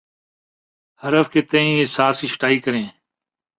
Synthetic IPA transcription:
həɾəfkeːt̪ẽːĩːɪsaːskiːt͡ʃʰə̥ʈaːiːkəɾẽː

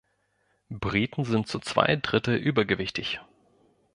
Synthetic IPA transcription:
bʁiːtn̩zɪnt̚t͡sut͡sv̥a̰ɪd̥ʁɪtl̩ʔyːbɐɡəvɪçtɪç

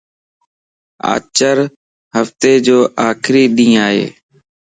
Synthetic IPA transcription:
a̰ːt͡ʃəɾ | həft̪eːd͡ʒoːʔaːkʰɾiːɗ̪ĩːaːɦḛː

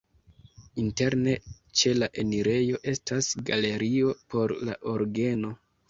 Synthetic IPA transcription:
inte̞ɾne̞ | t͡ʃe̞laʔe̞niɾe̞jo̞ʔe̞stʰasɡale̞ɾio̞pʰo̞ɾla̰ʔo̞ɾɡe̞no̞

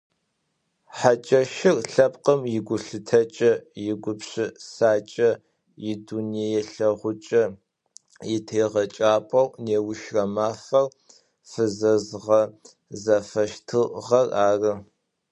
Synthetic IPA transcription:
ħat͡ʃʼɐʃɪrɬɐpqʼəmjɪɡʷʊɬɨtʰɐt͡ʃʼɐjɪɡʷʊpɕɪsaːt͡ʃʼɐ | jɪduniejɛɬɐʁʷʊt͡ʃʼɐ | jɪtʰeːʁɐt͡ʃʼaːpʷʼɐwʷneːwʊʃrɐmaːfɐr | fɨzɐzʁɐ | zɐfɐʃtʰɨʁɐraːrɨ

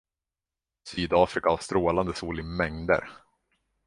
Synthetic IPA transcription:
syːd̪ɑːfɾɪkaast̪ɾoːland̪əsuːlɪmɛŋd̪ə̰ɾ

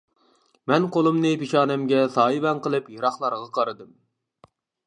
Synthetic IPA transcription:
mɛnqolˠɨmnɨpiʃɑːnɛmɡʲɛsɑːibɛnqəlˠɨpjɑɾɑχlˠɑɾʁɑqʰɑɾɨd̪ɨm

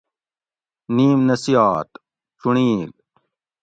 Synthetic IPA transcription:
niːmnɐsijaːt̪ | t͡suɳiːl

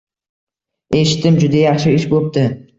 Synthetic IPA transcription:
e̞ʃɪ̥t̪ːɪmd͡ʒʊd̪ajɑχʃɪɪʃbop̚d̪ɪ

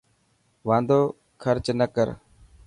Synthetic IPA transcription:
ʋãːnd̪oː | kʰəɾt͡ʃnəkəɾ

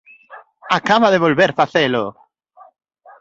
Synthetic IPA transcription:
akaβaðeβolβeɾfaθelo̰

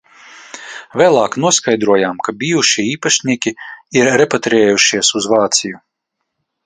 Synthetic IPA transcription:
vʲɛːlˠaːknuɔskajd̪ɾuɔjaːmkabʲijuʃiiːpaʃnʲiːkʲiiɾːepat̪ɾɛːjuʃiɛsuzvɑːt̪siju

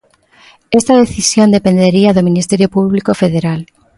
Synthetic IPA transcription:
est̪að̞eθisjond̪epend̪eɾiaðomĩnist̪eɾjopuβlikofeðeɾal

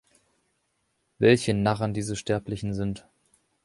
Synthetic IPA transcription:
vɛlçənaʁəndiːzəʃtɛɐplɪçn̩zɪnt

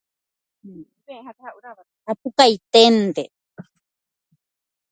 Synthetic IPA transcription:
ehat̪au | apukajt̪ent̪e

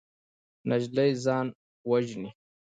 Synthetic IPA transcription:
naʒlajzɑːn | waʒni

